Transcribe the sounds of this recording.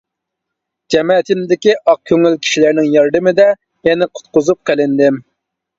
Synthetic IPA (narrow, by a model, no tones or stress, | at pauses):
d͡ʒɛmɛt̪ʰɪnd̪ɪkʲiʔɑq̚kʲʰøŋylkʲʰi̥ʃilæɾnɪŋjɑɾd̪ɨmɪd̪ɛ | mɛnɪqʰʊ̥t̪̚qʊzup̚qʰəlɪnd̪ɪm